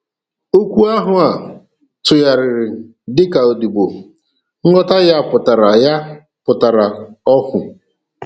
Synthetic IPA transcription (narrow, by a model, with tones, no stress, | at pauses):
o˦kʷu˦a˦ɦʊ˨a˨ | tʊ˨ja˨ɾɪ˨ɾɪ˨ | dɪ˦ka˨o˨di˨bo˨ | ŋ̩˦ŋɔ˦ta˦ja˦˨pʊ˨ta˨ɾa˨ja˦ | pʊ˨ta˨ɾa˨ɔ˦kʊ˨